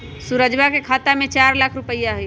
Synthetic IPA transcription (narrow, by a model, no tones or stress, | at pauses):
suɾəd͡ʒbakekʰat̪amet͡ʃaɾlakʰɾupəjaɦuj